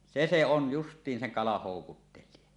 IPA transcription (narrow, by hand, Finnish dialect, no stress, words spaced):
se se on justˑiːn seŋ kɑlɑh hoˑukutːelˑie